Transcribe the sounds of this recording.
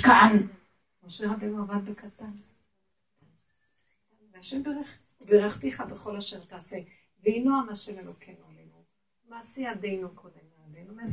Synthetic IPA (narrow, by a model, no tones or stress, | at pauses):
kan | maʃeʁabenuavad̪bekat̪an | an | tanveaʃembeʁeχ | beʁaχt̪iχabeχo̞laʃeʁt̪aːse | veinuamaʃelelokʰenolenu | maːsiad̪ejnokʰod̪emeadejnome